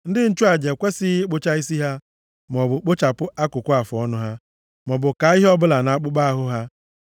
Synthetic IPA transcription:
n̩˦dɪ˦n̩˦t͡ʃu˦a˨d͡ʒe˨kʷe˦sɪ˦ɪ˦k͡pʊ˦t͡ʃa˦i˦si˦ɦa˦ | m˨ɔ˨bʊ˨k͡pʊ˦t͡ʃa˨pʊ˦ʔa˦kʊ˨kʷʊ˦a˨fɔ˦nʊ˦ɦa˦ | mɔ˨bʊ˨ka˨˦i˦ɦɔ˦bʊ˦la˨na˨a˦k͡pʊ˦k͡pa˦a˦ɦʊ˦ɦa˦

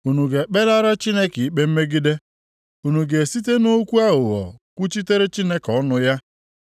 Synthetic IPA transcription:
u˨nu˨ɡe˨k͡pe˦la˦ɾa˦t͡ʃi˦ne˦ki˨i˦k͡pe˦m̩˦me˦ɡɪ˦de˦ | u˨nu˨ɡe˨si˦te˦no˦kʷu˦a˦ɦʊ˨ɦɔ̰˨kʷu˦t͡ʃi˦te˦ɾe˦t͡ʃi˦ne˦kɔ˦nʊ˦ja˦

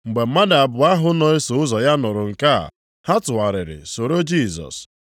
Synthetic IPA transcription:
ŋ͡m̩˨ɡ͡be˨m̩˦ma˦da˨a˨bʊ˨a˦ɦʊ˦nɔ˨e˦so˨ʊ˦zɔ˨ja˦nʊ˨ɾʊ˨ŋ̩˨ka̰˦˨ | ha˦tʊ˨a˨ɾɪ˨ɾɪ̰˨so˨ɾo˦d͡ʒi˦˨zɔ̰˨s

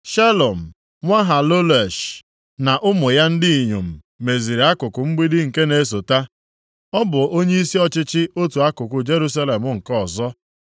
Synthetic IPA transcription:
ʃa˦lo˨m̩˨ | ŋʷa˦ɦa˨lo˦le˨ʃ | na˨ʔʊ˦mʊ˨ja˦n̩˦dɪ˦i˨ɲo˨m̩˨ | me˨zi˨ɾe˨a˦kʊ˨kʊ˨m̩˦ɡ͡bi˦dɪ˦ŋ̩˨ke˦ne˨˦s̬o˨ta˦ | ɔ˦bʊ˨o˦ɲe˦i˦si˦ɔ˦t͡ʃɪ˦t͡ʃɪ˦o˦tu˨a˦kʊ˨kʊ˨d͡ʒe˦ɾu˦sa˦le˨mʊ˦ŋ̩˨kɔ˦˨zɔ˦

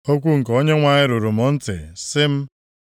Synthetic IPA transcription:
o˦kʷu˦ŋ̩˨ko˦ɲe˦ŋʷa˨ɲɪ˦ɾo˨ɾu˨mɔ˦n̩˦tɪ̰˨sɪ˦m̩˦

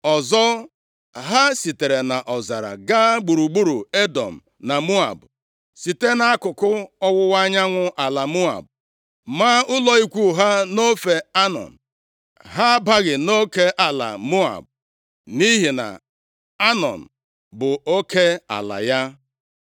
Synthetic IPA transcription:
ɔ˨zɔ˦ | ɦa˦si˨te˨ɾe˨na˨ʔɔ˨za˨ɾa̰˨ɡa˦ɡ͡bu˨ɾu˨ɡ͡bu˦ɾu˨e˦dɔ˨m̩˨ | na˨mu˦a̰˨b | si˨te˦na˦a˦kʊ˨kʊ˦ɔ˦wʊ˦wa˦ɲa˦ŋʷʊ˦ʔa˨la˨mu˦a̰˨b̚ | maː˦ʊ˦lɔ˨i˦kʷu˦ɦa˦no˦fe˨a˦nɔ̰˨n̩˨ | ɦa˦ba˦ɣɪ˨no˦ke˦ʔa˨la̰˨mu˦a̰˨b̚ | ni˦ɦi˨na̰˨ | a˦nɔ̰˨n̩˨ | bʊ˨o˦ke˦a̰˨la̰˨ja˦

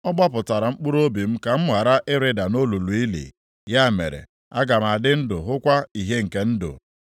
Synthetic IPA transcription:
ɔ˦ɡ͡ba˦pʊ˨ta˨ɾa˨ŋ͡m̩˦k͡pu˦ɾo˦bi˨m̩˦ka˨m̩˦ɦa˨ɾa˦ʔɪ˦ɾɪ˦da˨no˦lu˨lu˨i˦lḭ˨ | ja˦˨mḛ˨ɾḛ˨ | a˦ɡa˨m˨a˨dɪ˦n̩˦dʊ˨ɦʊ˦kʷa˦i˨ɦe˦ŋ̩˨ke˦n̩˦dʊ̰˨

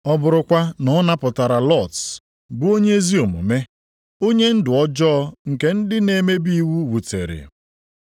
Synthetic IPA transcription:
ɔ˦bʊ˨ɾʊ˨kʷa˦nɔ˦na˦pʊ˨ta˨ɾa˨lɔ˦˨t | bʊ˦o˦ɲe˦zi˦o˨mṵ˨me˦ | o˦ɲe˦n̩˦dʊ˨ɔ˦d͡ʒɔ˦ɔ˦ŋ̩˨ke˦n̩˦dɪ˦ne˨me˦bi˦wu˦wu˨tḛ˨ɾɪ̰˨

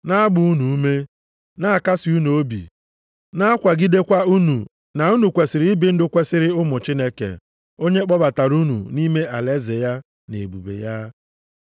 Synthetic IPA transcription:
na˦a˦ɡ͡bʊ˨u˦nu˨u˦me˦ | na˦a˨ka˦si˨u˦nu˨o˦bḭ˨ | na˦a˦kʷa˨ɡi˦de˦kʷa˦u˦nu˨ | na˨u˦nu˨kʷe˨sɪ˨ɾɪ˨ɪ˦bɪ˨˦n̩˦dʊ˦kʷe˦sɪ˦ɾɪ˦ʊ˦mʊ˨t͡ʃi˦ne˦kḛ˨ | o˦ɲe˦k͡pɔ˦ba˨ta˨ɾu˦nṵ˨ni˦me˦ʔa˨le˦ze˨ja˦ | nḛ˨bṵ˨bḛ˨ja˦

